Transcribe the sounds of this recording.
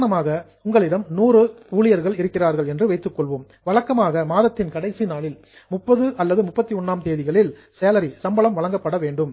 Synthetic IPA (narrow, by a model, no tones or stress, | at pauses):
nɐmaːɣɐ | ʊŋɡɐɭɪɽɐmnuːrɯ | uːɭɪjɐɾɣɐɭɪɾɯkːɪraːɾɣɐɭɛndrɯʋɐɪt̪ːɯkːɔɭʋɯm | ʋɐɭɐkːɐmaːɣɐmaːðɐt̪ːɪnkɐɽɐɪsinaːɭɪl | mʊpːɐðɯʔɐlːɐðɯmʊpːɐt̪ːiɔnːaːmt̪eːðɪɣɐɭɪl | seːlɐɾisɐmbɐɭɐmʋɐɭɐŋɡɐpːɐɽɐʋeːɳɖɯm